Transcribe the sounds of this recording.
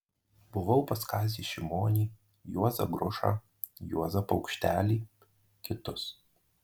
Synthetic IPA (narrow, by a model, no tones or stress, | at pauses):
b̥ʊʋɐʊpɐskɑːsʲiːʃʲɪmoːnʲiː | juɔzɐ̰ɡɾʊʃɑ̰ː | juɔzɐpɒʊkʃʲt̪ʲæːlʲiː | kʲɪt̪ʊs